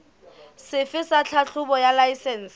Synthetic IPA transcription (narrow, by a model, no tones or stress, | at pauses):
sɪfɪsat͡ɬʰaɬʰʊbɔjalaisɛn̩ːs